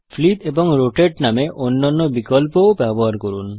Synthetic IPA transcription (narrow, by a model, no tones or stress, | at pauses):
fʰlit̪ebɔŋɾoʈeʈnameʔonːanːɔbikɔlpoobɛbɔɦaɾkoɾun